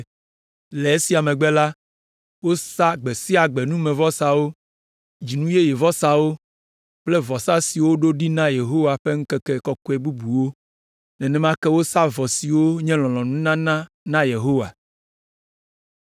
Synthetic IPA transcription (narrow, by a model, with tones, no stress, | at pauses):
le˨e˦si˦a˨mɛ̃˨ɡ͡be˦la˦ | wo˦sa˦ɡ͡be˨si˦a˨ɡ͡be˨nũ˦mɛ̃˨vɔ˦sa˨wo˦ | d͡ʑi˨nũ˦je˦je˨vɔ˦sa˦wo˦ | k͡plɛ˦vɔ˨sa˦si˨wo˦ɖo˦ɖi˦nã˦je˨ɦo˦wa˨ɸe˦ŋ̩˦kɛ˦kɛ˦kɔ˦kɔ˦ɛ˦˨bu˦bu˨wo˦ | nɛ̃˨nɛ̃˦mã˦kɛ˦wo˦sa˦vɔ˨si˨wo˦ɲɛ̃˦l̃ɔ̃˨lɔ̃˨nũ˦nã˦nã˦ | nã˦je˨ɦo˦wa̰˨